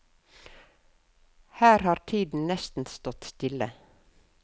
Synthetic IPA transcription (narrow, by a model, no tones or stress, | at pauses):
hæːɾhɑːɾt̪ʰiːd̪n̩nɛst̪n̩st̪ɔt̪st̪ɪlə